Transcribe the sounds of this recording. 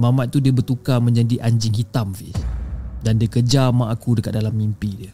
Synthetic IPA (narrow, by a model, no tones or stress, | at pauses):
mamat̪̚t̪ːudiəbərt̪ukamə̃ɲd͡ʒadiʔaɲd͡ʒɪŋɦit̪amfḭ | dandiəkəd͡ʒamaʔakudəkat̪̚dalamːimpidiə